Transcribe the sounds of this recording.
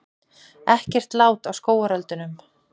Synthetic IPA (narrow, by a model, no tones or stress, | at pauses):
ɛhcɛr̥t̪laːwt̪awskoːwaɾœlt̪ʏnʏm